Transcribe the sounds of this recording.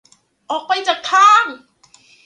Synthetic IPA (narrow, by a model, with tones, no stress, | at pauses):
ʔɔː˨˩k̚pa˧jt͡ɕaː˨˩k̚k̪ʰaː˧˥˩ŋ